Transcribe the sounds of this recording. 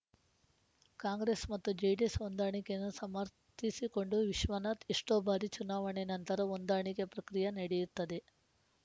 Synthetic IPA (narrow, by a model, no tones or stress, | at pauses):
kaːŋɡɾesmɐt̪ːud͡ʒejɖesʋond̪aːɳikenusɐmɐɾ | t̪isikoɳɖuʋiʃʋɐnɐt̪iʂʈoːbʱaːɾit͡ʃunaːʋɐɳenɐnt̪ɐɾɐʋond̪aːɳikepɾɐkɾijɐnɐɽijiɾt̪ːɐd̪e